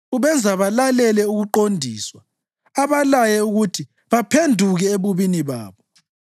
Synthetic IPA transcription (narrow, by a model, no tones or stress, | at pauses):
uβɛnd͡zʱaβalalɛlɛuɣuǃondʱiːswa | aβalajɛuɣutʰi | βapʰendʱuɣɛeβuβiniβa̰ːβɔ